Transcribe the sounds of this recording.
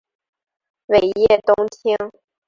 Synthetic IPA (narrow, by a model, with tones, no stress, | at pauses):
we˨˩ɪjɛ˥˩t̪ʊ˥ŋt͡ɕʰi˥ŋ